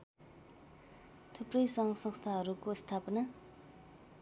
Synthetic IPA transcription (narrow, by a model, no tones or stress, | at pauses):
t̪ʰuprʌjsʌŋɡʌsʌŋst̪ʰaɦʌɾukost̪ʰapʌna